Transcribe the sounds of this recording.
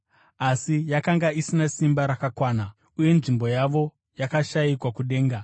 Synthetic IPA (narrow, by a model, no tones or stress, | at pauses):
asijakaŋɡaisinasimbaɾakakwaːna | uje̞nʐimbo̞jaʋo̞ | jakaʃajikwakuɗe̞ːŋɡa